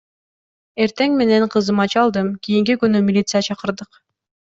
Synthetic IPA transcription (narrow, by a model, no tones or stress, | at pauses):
e̞ɾt̪e̞ŋme̞ne̞ɴqʰɯzɯmɑt͡ʃɑlˠd̪ɯmkʲijiŋk̬ʲikynymʲilʲit̪sɨjat͡ʃʰɑqɯ̆ɾd̪ɯq